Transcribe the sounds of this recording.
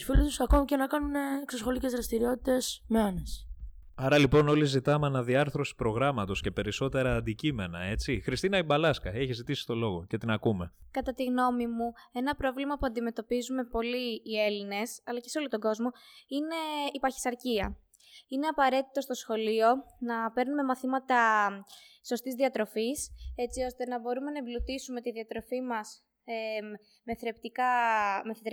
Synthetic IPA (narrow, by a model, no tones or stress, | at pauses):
ufilit̪usɐko̞micenɐkɐnuneːksɐsxo̞licezðɾɐst̪iɾio̞t̪it̪e̞smeɐnes | ɐɾɐlipo̞no̞lizit̪ɐmeɐnɐðiɐɾθɾo̞si̥pɾo̞ɣɾɐmɐt̪o̞sce̞pe̞ɾiso̞t̪e̞ɾɐːnd̪icime̞nɐe̞t͡sixɾist̪inɐibɐlɐskɐeçizit̪isi̥t̪o̞lo̞ɣo̞ce̞t̪inɐkume̞kɐt̪ɐt̪iɣno̞mimue̞nɐpɾo̞vlimɐpuɐnd̪ime̞t̪o̞pizume̞po̞liːe̞line̞sɐlɐceso̞lot̪o̞ɡo̞zmo̞ine̞ipɐçi̥sɐɾciɐ̰ | ine̞ɐpɐɾe̞t̪i̥t̪o̞st̪o̞sxo̞lio̞nɐpe̞ɾnume̞mɐθimɐt̪ɐ | so̞st̪izðiɐt̪ɾo̞fise̞t͡sio̞st̪e̞nɐbo̞ɾume̞nɐblut̪isume̞t̪iðiɐt̪ɾo̞fimɐs | e | me̞θɾept̪ikɐmeθet̪ɾ